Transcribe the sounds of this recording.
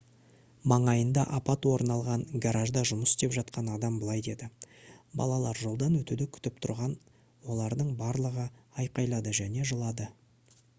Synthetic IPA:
mɑɴɑjənd̪ɑʔɑpɑt̪wo̞ɾnɑlˠʁɑɴɡaɾaʒd̪ɑʒʊməsst̪e̞pʒɑt̪̚qɑnɑd̪ɑmbəlˠɑjd̪e̞d̪ɪbɑ̰lˠɑlˠɑɾʒo̞lˠd̪ɑnwɵt̪ud̪ɪkʲʰʏ̥t̪ɪpt̪ʰʊɾʁɑn | wo̞lˠɑɾd̪əɴbɑɾlˠəʁəɑjqɑjlˠɑd̪əʒæne̞ʒəlˠɑd̪ə

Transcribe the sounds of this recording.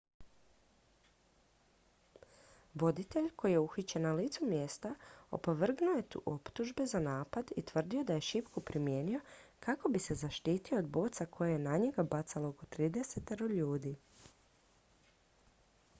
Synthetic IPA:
ʋo̞d̪it̪e̞ʎkʰo̞jijeuxit͡ɕenaliːt̪sumje̞st̪ao̰po̞ʋr̩ɡnuoje̞t̪ṵʔo̞pt̪uʒbe̞zanaːpad̪it̪ʋr̩d̪io̞d̪aje̞ʃipkupɾimje̞nio̞kako̞bise̞zaʃt̪iːt̪io̞ːd̪bo̞ːt̪sakʰo̞jejenaɲeɡabat̪salooko̞t̪ɾiːd̪e̞set̪eɾoʎuːd̪i

